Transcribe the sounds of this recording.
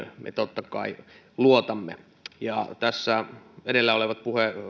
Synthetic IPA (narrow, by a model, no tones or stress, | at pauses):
mʔḛt̪ot̪ːɑkɑ̰i | luot̪ɑmːḛ | jɑ̰t̪æsːæedelːæoleʋɑt̪̚puhe